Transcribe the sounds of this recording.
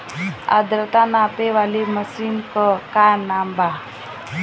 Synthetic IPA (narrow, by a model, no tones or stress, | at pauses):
a̰d̪ɾət̪anaːpeʋaliməsinkɔkaːɾnaːmba